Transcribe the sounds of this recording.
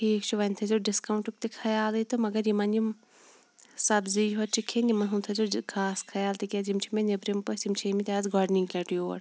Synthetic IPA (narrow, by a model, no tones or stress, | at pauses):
hiːkt͡ʃʰuʋɐnʲt̪ʰɐzʲuɖiskɐwɳʈuk̚t̪ikʰɐjaːlɨt̪umɐɡɐɾjimɐnim | sɐbzijɦɐt͡ʃikʰenimɐnɦunt̪ʰɐzukʰaːskʰɐjaːlt̪ikʲezimt͡ʃʰimenebɾimpɐsʲimt͡ʃʰimit̪ʲazɡɔːɖniŋɡlʲɐʈjo̰ːɽ